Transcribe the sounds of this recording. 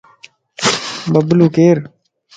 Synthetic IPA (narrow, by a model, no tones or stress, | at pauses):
bɐbluːkeːɾ